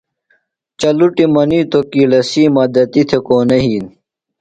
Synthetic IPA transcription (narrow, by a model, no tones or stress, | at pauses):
t͡ɕɐluʈimɐnit̪okilɐsiːmɐd̪ɐt̪it̪ʰekoːneɦiːn